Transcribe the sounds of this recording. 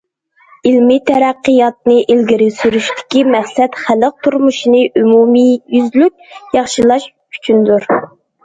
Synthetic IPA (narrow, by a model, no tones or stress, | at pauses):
ilmɪt̪ʰɛɾæqːəjɑt̪̚nɨʔilɡʲiɾɪsyɾyʃt̪ʰɪ̥kʲimæχsɛt̪χæləq̚t̪ʰuɾmuʃinɨʔymumijyzlyk̚ʲjɑχʃilˠɑʃʰ | y̥t͡ʃʰynd̪uɾ